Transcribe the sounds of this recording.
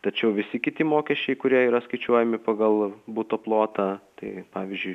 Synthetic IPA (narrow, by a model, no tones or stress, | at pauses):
t̪ɐt͡ʃʲɛʊʋʲɪsʲɪkʲɪt̪ʲɪmoːkʲɛʃʲt͡ʃʲɛɪkʊɾʲiɛiːɾɐskɐɪt͡ʃʲuɔjɛmʲɪpɐɡɐlˠbuːt̪oːplˠoːt̪ɑt̪ɐɪpɑːʋʲizʲd͡ʒʲʊɪ